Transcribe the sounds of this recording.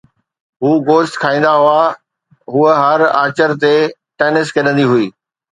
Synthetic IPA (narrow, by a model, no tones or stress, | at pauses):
ɦuːɡoːʃʈ̪kʰaːĩːn̆d̪aɦua | ɦuəɦɐɾaːt͡ɕəɾt̪eʈeːnɪskɐɗə̃nd̪iɦʊiː